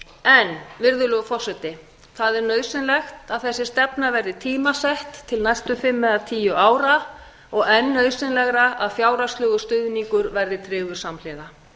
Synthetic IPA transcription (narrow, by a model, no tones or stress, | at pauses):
ɛnvɪɾðʏlʏɣfɔr̥sɛt̪ɪ | θaðɛɾnœːɥsɪnlɛxt̪aðθɛsːɪst̪ɛpnavɛɾðɪt̪ʰiːmasɛht̪ʰːɪlnajst̪ʏfɪmːɛðat̪ʰiːjʏʔaːwɾa | ɔɣɛnːœɥðsɪnlɛɣɾaʔaðfjaːwɾast̪lʏːɣʏst̪ʏðniŋkʏɾvɛɾðɪt̪ʰɾɪːɣvʏɾ̥samlɛːɣa